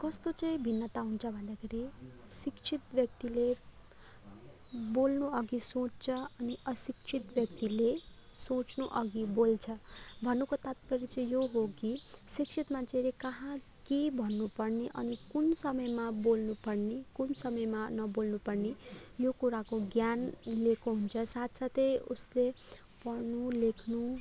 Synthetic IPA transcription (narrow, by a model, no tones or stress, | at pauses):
kʌst̪ot͡sʌĩbʱinːʌt̪aɦunt͡sʰʌbʱʌnd̪akʰeɾisikt͡sʰit̪bjʌkt̪ile | bolnuʌɡisõt͡st͡sʰʌʌniʌsik̚t͡sʰit̪bjʌkt̪ilesõt͡snuʔʌɡibolt͡sʰʌbʱʌnːukot̪at̪̚pʌɾit͡sʌĩjoɦokisikt͡sʰit̪mat͡sʰeɾikʌɦã | kebʱʌnːupʌrniʔʌnikunsʌmʌjmabolnupʌrnikunsʌmʌjmanʌbolnupʌrnijokuɾakoɡjanlekʰoɦunt͡sʰʌsat̪sat̪ʌjṵsle | pʌrnulekʰnu